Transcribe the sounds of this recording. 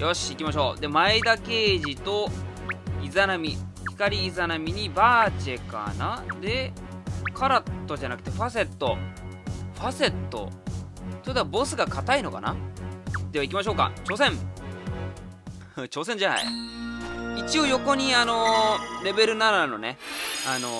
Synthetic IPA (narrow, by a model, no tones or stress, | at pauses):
jo̞ɕikʲimaɕ̬o̞ːd̪e̞maid̪ake̞ːʑit̪o̞ | izanamʲiçi̥kaɾʲiːzanamʲiɲ̟ibaːt͡ɕe̞ka̰nad̪e̞ | kʰaɾat̪ːo̞ʑanakɯ̥t̪e̞ɸase̞t̪ːo̞ | ɸase̞t̪ːo̞̰ | t̪od̪abo̞sɨɡakat̪aino̞ka̰na̰ | d̪̥e̞βaikʲimaɕo̞ːka̰t͡ɕo̞ːsẽ̞ɴ | t͡ɕo̞ːs̬ẽ̞ɲ̟d͡ʑana̰ḭ | it͡ɕio̞jo̞ko̞ɲ̟iano̞ɾe̞be̞ɾɯ̟nanano̞ne̞ano̞